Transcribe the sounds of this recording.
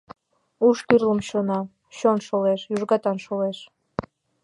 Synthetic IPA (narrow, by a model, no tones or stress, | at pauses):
uʃt̪yrləmɕonɑ | ɕonʃoleʃjuʒɣɑt̪ɑnʃoleʃ